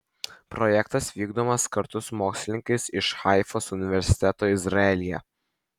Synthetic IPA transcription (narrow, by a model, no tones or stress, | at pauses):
pɾɔjɛkt̪ɐsʋʲiːɡd̪oːmɐskɐɾt̪ʊsmoːksʲlʲɪnʲɪŋkɐɪsɪʃxɑˑɪfoːsʊnʲɪʋʲɛɾʲsʲɪ̥t̪ʲɛt̪oːɪzɾɐɛlʲɪjɛ̰